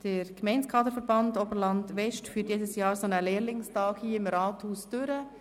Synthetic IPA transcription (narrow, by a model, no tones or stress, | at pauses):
d̥əɾkmɛɪnskʰɑːdəɾfəɾbɑndobəɾlɑndʋɛʃtfyːtjeːdəsjɑːɾsonəleːɾlɪŋstɑːkhiːɪmɾɑːthuːsd̥ʏɾə